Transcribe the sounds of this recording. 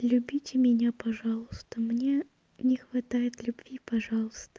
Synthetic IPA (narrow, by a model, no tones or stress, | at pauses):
lʲʉbʲitʲɪmʲɪnʲapɐʐɑlˠʊst̪əmnʲe | nʲɪxvɐt̪ajɪt̪lʲʊbvʲipɐʐɑlˠəst̪ə̥